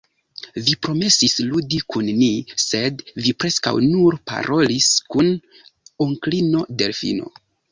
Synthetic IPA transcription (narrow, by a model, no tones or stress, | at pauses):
vipɾo̞me̞sisludikunmise̞dvipɾe̞ska̰wnuɾpa̰ɾʔo̞liskun | oŋklino̞de̞lfḭno̞̰